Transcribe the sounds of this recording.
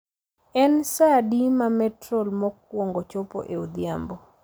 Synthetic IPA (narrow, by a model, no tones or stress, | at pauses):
ɛnsadimamɛtɾɔlmɔk̚wɔŋɡɔt͡ʃɔpo̰ʔeud̪jambo